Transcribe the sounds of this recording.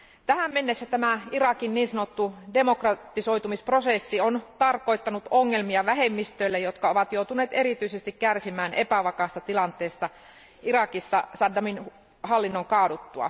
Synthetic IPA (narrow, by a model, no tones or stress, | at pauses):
t̪æhæmːe̞nːesːæt̪æmæirɑkinniːnsɑnot̪ːude̞mo̞krɑt̪ːiso̞jt̪umispro̞sesːiont̪ɑrko̞it̪ːɑnut̪oŋːe̞lmiɑʋæɦe̞mːist̪øilːejot̪kɑo̞ʋɑt̪jowt̪une̞ːt̪e̞ɾit̪yisest̪ikkærsimæːne̞pæʋɑkɑːst̪ɑt̪ilɑnt̪ˑeːst̪ɑ | ʔiɾɑkisːɑsɑdːɑmin | ɦɑlːinːoŋkɑːdut̪ːuɑ̰